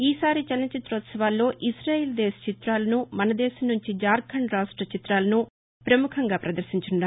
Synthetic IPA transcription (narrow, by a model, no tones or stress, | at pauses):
iːsaːɾit͡ʃɐlɐnɐt͡ʃit̪ɾɐʋɐt̪sɐʋaːlːo̞ːʔisɾaːjeːld̪ɛːsɐ̥t͡ʃit̪ɾaːlɐnumɐnɐd̪ɛːʃɐmnuɲt͡ʃid͡ʒaːɾkʰɐɳɾaːʂʈɾɐt͡ʃit̪ɾaːlɐnu | pɾɐmukʰɐŋɡaːpɾɐd̪ɐɾsiɲt͡ʃunɖaː